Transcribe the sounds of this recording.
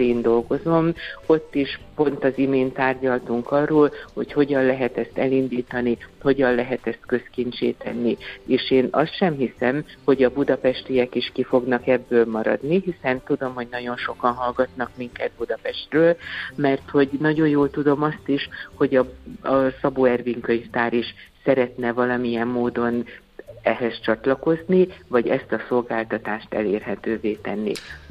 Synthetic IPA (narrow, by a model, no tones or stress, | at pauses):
eːnd̪o̞lɡo̞zo̞mo̞t̪ːiʃpo̞nt̪ɒzimeːnt̪aːrɟɒlt̪uŋkɒrːoːlho̞̰cho̞ɟɒnlɛɦɛt̪ɛst̪ɛlind̪iːt̪ɒniho̞ɟɒnlɛɦɛt̪ɛst̪kø̞skint͡ʃḛːt̪ɛ̰nːieːʃeːnɒ̰st̪ʃɛmɦisɛmho̞ɟɒbud̪ɒpɛʃt̪ijɛkiʃkifo̞ɡnɒkɛbːøːlmɒɾɒ̰d̪niɦisɛnt̪ud̪o̞mho̞ɟnɒɟo̞nʃo̞kɒnɦɒlɡɒt̪nɒkmiŋkɛt̪̚bud̪ɒpɛʃt̪røːlmɛrt̪ho̞ɟnɒɟo̞jjoːlt̪ud̪o̞mɒst̪iʃho̞ɟɒɒsɒboːɛrviŋkø̞ɲft̪aːɾiʃsɛɾɛt̪nɛvɒlɒmijɛmːoːd̪o̞n | ɛɦɛst͡ʃɒt̪lɒko̞znivɒɟɛ̰st̪ɒso̞lɡaːlt̪ɒt̪aːʃt̪ɛ̰leːrɦɛt̪øːveːt̪ɛnːḭ